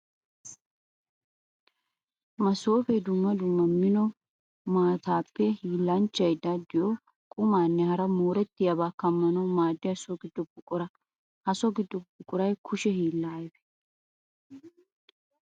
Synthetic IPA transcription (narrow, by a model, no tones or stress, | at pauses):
mɐso̞ːfɛd̪ʊmːɐd̪ʊmːɐmːɪnɔ | maːt̪aːpːɛhiːlːɐnt͡ʃːɐjd̪ɐd̪ɪjɔ | kʼʊmaːnːɛhɐɾɐmoːɾɛt̪ːɪjaβaːkɐmːɐnɐwmaːd̪ːɪɐsɔɡɪd̪ːɔbʊkʼʊɾɐ | hɐsɔɡɪd̪ːɔbʊkʼːʊɾɐjkʰʊʃɛhiːlːaːjbɛ̥